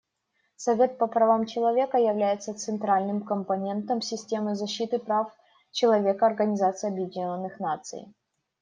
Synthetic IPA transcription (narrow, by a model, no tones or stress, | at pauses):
sɐvʲe̞t̪̚pəpɾɐvamt͡ɕɪlˠɐvʲe̞kəjɪvlʲæjɪt̪sət̪sɨnt̪ɾalʲnɨmkəmpɐnʲe̞nt̪əmsʲɪsʲtʲe̞mɨzɐɕːit̪ɨpɾaf | t͡ɕɪlˠɐvʲe̞kəɐrɡənʲɪzat̪sɨjɐbjɪdʲɪnʲnːɨxnat̪sɨ̰j